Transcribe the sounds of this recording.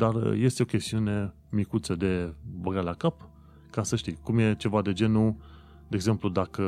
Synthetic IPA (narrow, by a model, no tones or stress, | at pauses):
d̪arje̞st̪eo̞kʲe̞st̪iune̞ | mikut̪səd̪e̞bəɡalakap | kasəʃt̪ikumje̞t͡ʃe̞vad̪e̞d͡ʒe̞nu | d̪eeɡze̞mplud̪akə